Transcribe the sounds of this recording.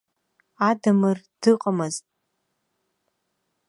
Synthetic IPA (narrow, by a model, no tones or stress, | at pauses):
adɨmɨrd̥ɨqʼamɨztʼ